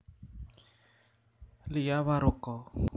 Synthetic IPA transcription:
lɪjaβaɾʊkɔ

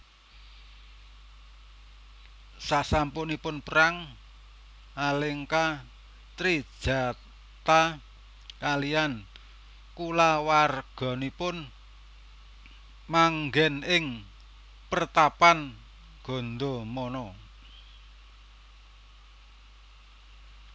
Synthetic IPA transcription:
saʔsampʊnipʊnpəɾaŋ | alɪŋka | t̪ɾi̥ʒ̥a̤ | t̪a | kalian | kulawarɡ̥ɔ̤nipʊn | maŋɡɛnɪŋ | pərt̪apan | ɡ̥ɔ̤nd̪omɔnɔ

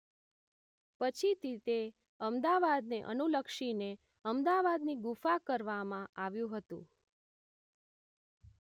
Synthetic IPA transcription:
pət͡ʃʰit̪it̪e | əmd̪aʋad̪neʔə̰nuləkʃine | əmd̪aʋad̪niɡufakəɾʋamãʔaʋjũɦət̪ṵ̃

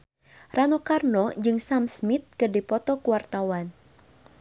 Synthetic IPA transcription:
rʔanɔkarnɔd͡ʒɨŋsamsmit̪̚kɨdipɔt̪ɔkuwart̪awan

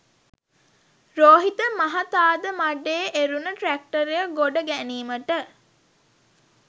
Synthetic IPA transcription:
ɾoːɦit̪əmɐɦɐt̪aːd̪əmaɖeːʔeɾunəʈɾæk̚ʈəɾejəɡoɖəɡæniːməʈə

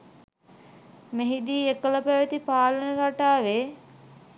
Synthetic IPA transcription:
meɦid̪iːekələpæʋət̪ipaːlənəɾaʈaːʋeː

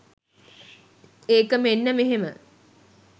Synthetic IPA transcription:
eːkəmenːəmeɦemə

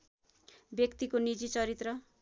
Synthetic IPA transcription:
bjʌkt̪ikonid͡zit͡sʌɾit̪rʌ

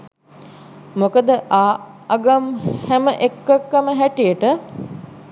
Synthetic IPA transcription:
mokəd̪əʔaː | aɡamhæməʔekːəkːəməɦæʈijəʈə

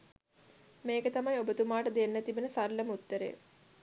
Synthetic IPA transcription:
meːkət̪amajobət̪umaːʈəd̪enːæt̪ibənəsarləmut̪ːəɾḛː

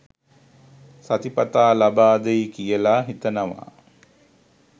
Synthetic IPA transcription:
sat̪ipat̪aːlabaːd̪əikijəlaɦit̪ənəʋa̰

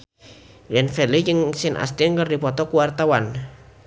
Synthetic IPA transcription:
jɛnfɛlid͡ʒəŋsɪnʔa̰st̪inŋkərdipɔt̪ɔkuwart̪awan

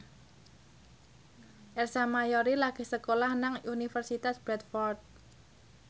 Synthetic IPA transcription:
ʔɛrsamajoɾilaɡ̥e̤hsəkolahnaŋunifərsit̪asb̥ɾɛt̪fɔrt̪̚

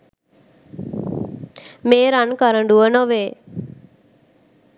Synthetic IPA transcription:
meːɾankaɾəɳɖuənoʋeː

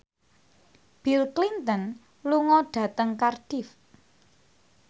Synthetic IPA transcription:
b̥ilklint̪ən | luŋɔɖ̥ä̤t̪əŋkarɖ̥if

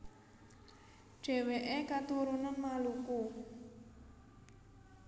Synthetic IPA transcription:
ʒ̥ɛ̤weʔekat̪uɾunanmaluku

